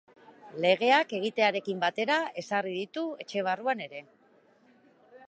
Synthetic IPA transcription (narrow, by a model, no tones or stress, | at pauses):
le̞ɣ̞e̞ake̞ɣ̞it̪e̞aɾe̞kimbat̪e̞ɾae̞sariðit̪ue̞t͡ʃe̞β̞aruane̞ɾe̞